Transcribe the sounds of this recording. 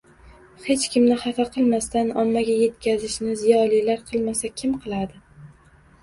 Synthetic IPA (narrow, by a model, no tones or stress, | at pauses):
he̞t͡ʃkʲʰɪmnɪhafaqʰɨlˠmast̪anɒmːaɡʲaje̞t̪kʲʰazɪʃnɪzijɒlˠijlaɾqʰɨlˠmasakʲʰɪmqʰɨlˠad̪ɪ